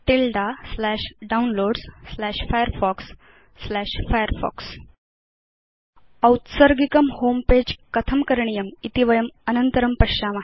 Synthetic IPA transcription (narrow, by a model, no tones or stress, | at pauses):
ʈilɖaslæʂɖaunloɖsslæʂfajəɾfɔksː | læʂfajəɾfɔ̰ks | əwt̪səɾɡikəmhomped͡ʑkət̪ʰəmkəɾɳijəmit̪iʋəjəmənənt̪əɾəmpəʂama